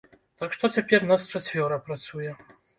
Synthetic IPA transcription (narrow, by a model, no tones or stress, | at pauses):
t̪akʂt̪ɔt͡sʲapʲɛrnast͡ʃat͡sʲvʲɔɾɐpɾat̪sujɛ